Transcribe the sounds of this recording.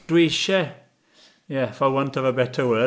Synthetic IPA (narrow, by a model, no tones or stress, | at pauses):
d̥wiʃɛ | jɛfawʌntʰəvəbɛtʰəwəː